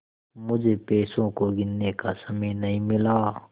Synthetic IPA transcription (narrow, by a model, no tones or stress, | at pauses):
mʊd͡ʒʱepeːsõkoɡɪnːekasɐməjnɐɦĩmɪlaː